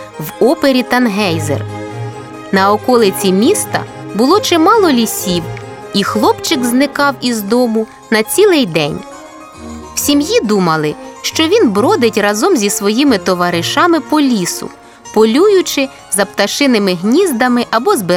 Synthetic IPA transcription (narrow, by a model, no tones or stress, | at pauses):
wɔpeɾʲit̪ɐnɦɛjzḛr | nɐɔkɔlˠɪt͡sʲimʲist̪ɐ̰ | bʊlˠɔt͡ʃɛmɑlˠɔlʲisʲiw | ixlˠɔpt͡ʃɪɡznɪkɑwizd̪ɔmʊ | nɐt͡sʲilˠɪjd̪ɛnʲ | w̥sʲimjid̪umɐlˠɪʃt͡ʃɔʋʲinbɾɔd̪ɪtʲrɐzɔmzʲisʋɔjimɪt̪ɔʋɐɾɪʃɑmɪpɔlʲisʊ̰ | pɔlʲujʊt͡ʃɪ | zɐpt̪ɐʃɪnɪmɪɦnʲizd̪ɐmɪʔɐbɔzbɪ